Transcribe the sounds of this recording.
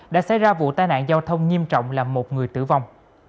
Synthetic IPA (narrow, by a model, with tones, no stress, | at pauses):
ɗa̰ː˧˥sa̰˧˥˦jzaː˧vṵ˧˨t̪aː˧jna̰ː˧˨nzaː˧wt̪ʰə˧wŋ͡mŋi˧əmt͡ɕɔ̰˧˨wŋ͡mlaː˨˩mo˨˩t̚ŋɨ˨˩əjt̪ɨ̰˧˩va˧˩wŋ͡m